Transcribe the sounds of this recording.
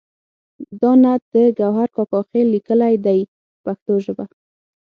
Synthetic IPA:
d̪ɑnad̪̥əɡawɦaɾkɑkɑxelːikəlajd̪aj | paxt̪oʒəba

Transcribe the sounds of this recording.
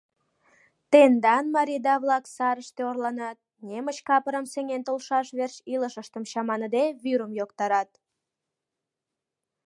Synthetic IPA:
t̪end̪ɑnmɑɾʲid̪ɑβlɑksɑɾəʃt̪eorlɑnɑt̪̚nemət͡ɕkɑpəɾəmseŋent̪olʃɑʃβerɕiləʃəʃt̪əmɕɑmɑnəd̪eβyɾəmjokt̪ɑɾɑt̪̚

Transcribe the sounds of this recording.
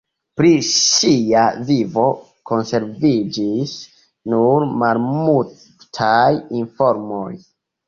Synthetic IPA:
pɾiʃiavivo̞ | ko̞nse̞ɾvid͡ʒis | nuɾmalmu | tʰajinfo̞ɾmoj

